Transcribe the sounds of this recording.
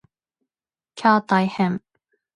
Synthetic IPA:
kʰat̪ajhɛm

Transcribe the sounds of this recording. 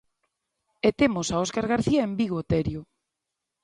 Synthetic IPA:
et̪emosaoskaɾɣaɾθiaembiɣot̪ɛɾjo

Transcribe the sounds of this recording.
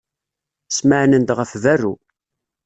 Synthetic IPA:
sməʕnənd̪ʁəfværːu

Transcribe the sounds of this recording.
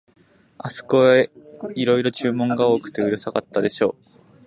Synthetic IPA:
asɨ̥koeiɾo̞iɾo̞t͡ɕɨːmõ̞ŋɡao̞ːkɯ̟̥t̪e̞ɯ̟ɾɯ̟sakat̪ːad̪e̞ɕo̞ː

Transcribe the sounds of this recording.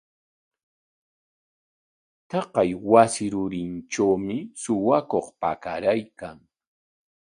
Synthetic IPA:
t̪ɑqɑjwasɪɾʊɾɪnʈ͡ʂawmɪsʊwakoχpa̰kaɾajkaŋ

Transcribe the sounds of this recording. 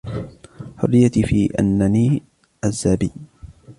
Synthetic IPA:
ħʊ̰ɾɪjat̪ifiːʔa̰nːaniː | ʔazːaːbiː

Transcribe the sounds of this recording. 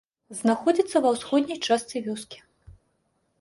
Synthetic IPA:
znaxɔd͡zʲit̪sːɐvɐwsxɔd̪ʲnʲɐjt͡ʂast̪sʲivʲɔskʲi̥

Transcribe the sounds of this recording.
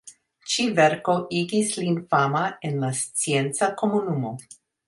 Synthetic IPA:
t͡ʃiveɾko̞ʔiɡislinfamaenlast͡sient͡sako̞munumo̞

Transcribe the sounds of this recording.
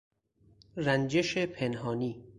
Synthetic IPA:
ɾænd͡ʒe̞ʃepʰe̞nɦɒːniː

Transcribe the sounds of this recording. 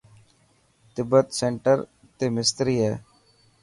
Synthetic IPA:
t̪ɪbət̪sẽːɳʈəɾ | t̪eːmɪst̪ɾiːɦɛː

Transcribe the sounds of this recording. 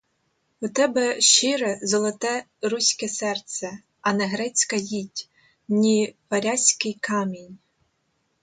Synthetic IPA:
ʊt̪ɛbɛʃt͡ʃɪɾɛzɔlˠɔt̪ɛ | ɾusʲkɛsɛrt̪sɛ | ɐnɛɦɾɛt͡sʲkɐjʲitʲ | nʲipɐɾʲasʲkɪjkɑmʲinʲ

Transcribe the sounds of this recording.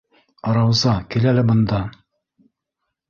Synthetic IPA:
ɑɾɑwzɑkilælɘbɤ̆nd̪ɑ

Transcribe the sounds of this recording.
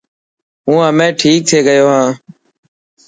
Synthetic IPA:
ɦũːɦəmẽːʈʰiːk̚t̪ʰeːɡəjoːɦãː

